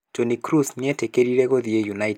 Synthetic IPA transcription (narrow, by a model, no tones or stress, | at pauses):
d͡ʒonikɾusnɛtekeɾiɾeɡoðiejunait